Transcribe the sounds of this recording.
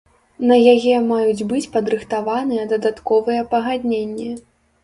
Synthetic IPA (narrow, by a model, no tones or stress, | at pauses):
nɐjajɛmajud͡zʲbɨt͡sʲpɐd̪ɾɨxt̪avanɨjɐd̪ɐd̪at̪kɔvɨjɐpɐɣad̪ʲnʲenʲːɛ